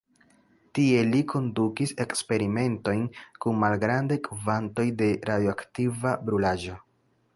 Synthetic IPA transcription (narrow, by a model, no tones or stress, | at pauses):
tie̞likʰo̞ndukise̞kspe̞ɾime̞nto̞jnkunmalɡɾandajkvanto̞jde̞ɾʔadjoaktivabɾulaʒo̞